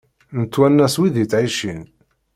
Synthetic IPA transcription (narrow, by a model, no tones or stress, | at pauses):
nət̪ːwænːæswiðit͡sʕiʃin